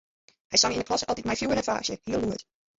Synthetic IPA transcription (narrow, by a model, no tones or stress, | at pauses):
ʔajsɔ̃ŋɪ̃nəpʰɔsɔdɪd̚maɪfjuːənə̃nfa̰ːˑʃəhiəlˠuːəd̥